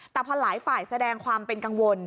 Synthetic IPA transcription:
t̪ɛː˨˩pʰɔ˧laː˩˦jfaː˨˩jsa˧dɛː˧ŋkʰwaː˧mpe˧nka˧ŋwo˧n

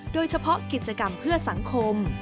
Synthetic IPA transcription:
doː˧jt͡ɕʰa˧pʰɔ˦˥ki˨˩t̪̚t͡ɕa˧ka˧mpʰɯ˥˩ɐsa˩˦ŋkʰo˧m

